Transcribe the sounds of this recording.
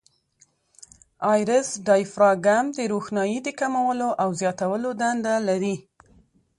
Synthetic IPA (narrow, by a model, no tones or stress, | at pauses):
ɑjɾɪsɖɑjfɾɑɡamd̪əɾoxnɑjid̪əkamawəloʔawzjɑt̪awəlod̪and̪alaɾi